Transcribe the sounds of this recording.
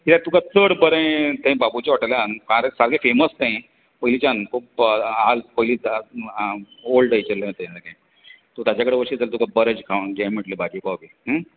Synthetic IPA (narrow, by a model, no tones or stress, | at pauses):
kit̪at̪ukat͡səɽbəɾə̃jt̪ẽbabut͡ɕaʋaʈaljankãɾesaɾɡefeməst̪ẽ | pəɦilit͡ɕankʰuːpalpəɦili | olɖəit͡ɕəlːə̃t̪ẽd͡zəɡẽ | t̪ut̪jat͡ɕakəɽeʋəɾʂit͡salet̪ũkʰabəɾəd͡ʑkʰaʋɡãmiʈlebʱaɡibabiɦ